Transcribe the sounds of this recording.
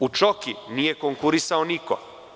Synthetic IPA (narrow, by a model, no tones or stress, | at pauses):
ut͡ʃokinijekoŋkuɾisaoniko̰